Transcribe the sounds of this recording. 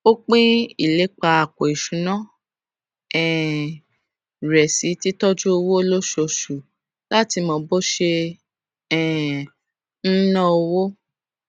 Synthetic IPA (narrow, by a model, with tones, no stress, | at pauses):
o˦k͡pĩ˦i˨le˨˦k͡pa˧a˨ko˨i˨ʃũ˨˦nã˦ | ɛ˨ | ɾɛ˨si˨˦ti˦tɔ˦d͡ʒu˦o˧wo˦o˧˦lo˦ʃo˧˨ʃu˨ | la˦ti˧mɔ̃˧bo˦ʃe˧ | ɛ˨ | n̩˦nã˦o˧wo˦